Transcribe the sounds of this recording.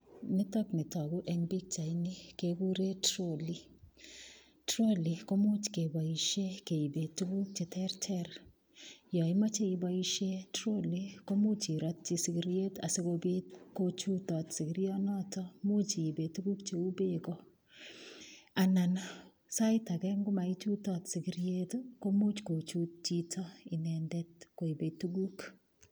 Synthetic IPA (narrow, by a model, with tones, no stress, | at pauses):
nɪ˦tɔ˦knɪ˨tɔ˨ku˦ʔɛŋbi˦k̚t͡ʃa˨jni˦keku˦ɾe˦tɾoli | tɾo˦li˨ko˦mu˦t͡ʃke˨ba˨iʃe˦ke˨ibe˨tuku˦k̚t͡ʃe˨tɛrtʰɛɾ | jɔ˨ima˦t͡ʃe˦˨iba˦iʃe˦tɾo˦liko˦mu˦t͡ʃi˨ɾɔt̚t͡ʃisi˨ɡiɾijeta̰se˦ko˧be˦t̚ko˦t͡ʃu˦tɔ˨tsi˨kiɾi˦ɔ˦nɔ˦tɔmu˦t͡ʃi˨be˨tuɡu˦kt͡ʃe˨u˦be˦kɔ | a˨na˨n | sa˦ɪ˦ta˨kɛ˦ŋɡʊ˦ma˨i˦t͡ʃu˦tɔtsi˨ɡiɾie˦tko˦mu˦t͡ʃko˨t͡ʃut̚t͡ʃi˦tʰɔ˦ɪ˨nɛndɛt̚ko˨i˨be˨tu˦ɡu˦k